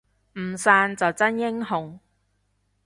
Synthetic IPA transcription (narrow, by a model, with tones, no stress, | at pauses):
m̩˨˩saː˧nt͡sɐ˨wt͡sɐ˥njɪ˥ŋɦʊ˨ŋ